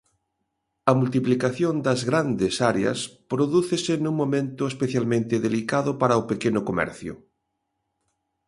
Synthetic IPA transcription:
ɐmult̪̬iplikaθjond̪ɐzɣɾand̪esaɾeɐ̰spɾoðuθesenũŋmõmẽnt̪ʊespeθjalmẽnt̪eðelikaðʊpaɾaopekenʊkomɛ̰ɾθjʊ̰

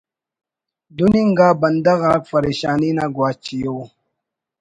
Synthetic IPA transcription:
d̪uniŋɡabɐnd̪aɣafaɾeʃaːninaɡwat͡ʃijo

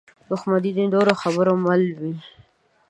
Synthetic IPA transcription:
d̪ʊxmad̪id̪id̪oɾoxabəɾomalwi

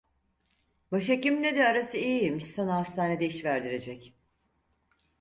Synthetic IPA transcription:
baʃ̬acimned̪ɛaɾasɯijjemiʃsanaɦast̪ʰaːne̞d̪ɛiʃvæɾd̪iɾe̞d͡ʒɛc

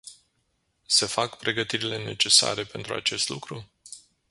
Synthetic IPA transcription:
se̞fakpɾe̞ɡət̪iɾile̞ne̞t͡ʃe̞sa̰ɾe̞pe̞nt̪ɾua̰t͡ʃe̞st̪lukɾu

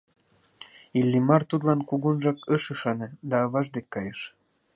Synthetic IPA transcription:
ilʲːimɑrt̪ud̪lɑnkuɣunʒɑkəʃəʃɑnɤd̪ɑːβɑʒd̪ekːɑjəʃ

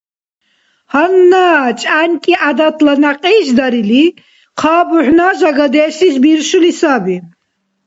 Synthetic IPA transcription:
hanːaːt͡ʃʼankʼiʔad̪at̪lanaqʼiːʃd̪aɾili | qʰaːbuħnaːʒaɡad̪ɛːʃisbiɾʃulisabi

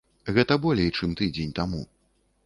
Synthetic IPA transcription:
ɣɛt̪ɐbɔlʲɛjt͡ʂɨmt̪ɨd͡zʲenʲt̪amṵ

